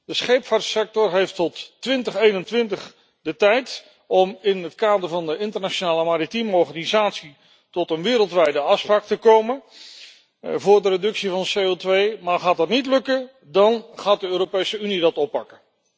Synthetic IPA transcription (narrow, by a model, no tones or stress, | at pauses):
d̥əsχejpfaːɹtsɛk̚tɔrɦejftɔtːʋɪntəχejnəntʋɪntəχ | dətɛjt | ɔmɪnɦətkaːdəɹvɑndəɪntərnaʃonaːləmaːɾitimoχanizaːtsi | tɔtənʋɪːɾəlˠtʋɛjdəɑfspraːk̚təkowmən | vʊːɹdəredɵksivɑnəsejotʋejmaːχaːt̚ɦɑtnitlɵkə | dɑnχaːt̚dəøːɾopejsəynidɑtɔpːɑkən